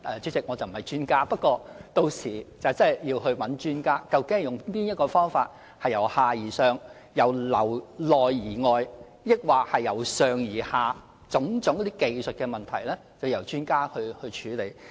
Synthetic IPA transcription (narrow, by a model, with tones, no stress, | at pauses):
ʔɛː˨˧t͡ʃy˨˥t͡sɪ˨k̚ŋɔː˨˧t͡sɐ˨wm̩˨˩hɐ˨˩jt͡ʃyː˥nkaː˥pɐ˥t̚kːʷɔː˧t̪o˧wsiː˨˩t͡sɐ˨wt͡sɐ˥˨jjiː˧wɦɵ˧ɥwɐ˨˥nt͡ʃyː˥nkaː˥kɐ˧wkɪ˨˥ŋ˨jʊ˨ŋpiː˥njɐ˥t̚kɔː˧fɔː˥ŋfaː˧t̚ | hɐ˨jɐ˨˩whaː˨jiː˨˩sœː˨˧ŋ | jɐ˨˩wlɐ˨˩wlɔː˨jːiː˨˩ŋɔː˨j | jɪ˥k̚waː˨k̚hɐ˨jːɐ˨˩wsœː˨ŋjiː˨˩haː˨˩ | t͡sʊ˨˥ŋt͡sʊ˨˥ŋkɔ˧˥t̪iː˥ke˨jsɵ˨t̚kɛː˧mɐ˨nt̪ʰɐ˨˩jlɛː˥ | t͡sɐ˨˩wjɐ˨˩wt͡ʃyː˥nkaː˥hɵ˧ɥhɵ˧t͡ʃʰyː˨˧le˨˧j